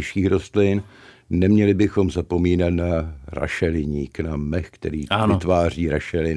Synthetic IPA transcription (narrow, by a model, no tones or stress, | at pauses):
ʃiːxɾost̪lɪn | nɛmɲɛlɪbɪxo̞mzapo̞miːnat̪naɾa̰ʃɛlɪɲiːknamɛxkt̪ɛɾiːavɪt̪vaːr̝iːɾaʃɛlɪn